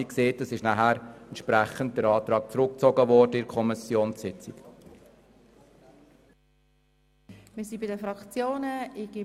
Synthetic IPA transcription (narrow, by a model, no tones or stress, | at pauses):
ikseːt̚dəsɪʃnæɦæːɾɛntʃpɾæχənt̚d̥əɾɑːtɾɑːk̚t͡sɾʊk̚t͡sɔɡəʋɔɾdəɪɾkʰɔmɪsjoːnssɪt͡sik | mɪsibɪdəfɾɑkt͡sjoːnəɪɡ̥ɪ